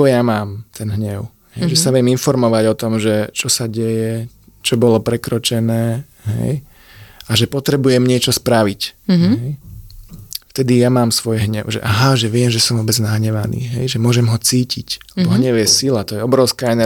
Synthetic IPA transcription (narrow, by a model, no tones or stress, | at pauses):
ɔjamaːmt̪ʰɛnɦɲɛʊ | ɦɛjʒɛsaʋɪɛminfɔɾmɔʋaɟɔt̪ɔmʒɛt͡ʃɔsaɟɛjɛ | t͡ʃɔbɔlɔpɾɛkɾɔt͡ʃɛnɛː | ɦɛ̰j | aʒɛpɔt̪ɾɛbujɛmɲɪɛt͡ʃɔspɾaʋicɦɛj | ft̪ɛd̪ijamaːmsʋɔjɦɲɛʊʒɛ̰ʔaɦaʒɛʋɪɛmʒɛsɔmʋɔbɛd͡znaɦɲɛʋanḭːɦɛ̰jʒɛmʊɔʒɛmɦɔt͡siːciclɛbɔɦɲɛʊjɛsilat̪ɔjɛɔbɾɔʊskaɛnɛ